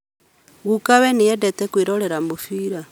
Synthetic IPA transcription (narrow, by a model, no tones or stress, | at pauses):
ɣukaβenijedetekwiɾoleɾambufiɾa